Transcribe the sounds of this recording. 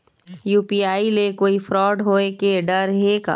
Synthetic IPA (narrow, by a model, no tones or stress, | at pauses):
juːpiaːilekoːifʰɾɔːɖɦoːekeɖəɾɦeka̰ː